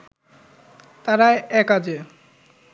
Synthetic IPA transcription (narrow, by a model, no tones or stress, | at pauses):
t̪aɾaeɛkad͡ʑe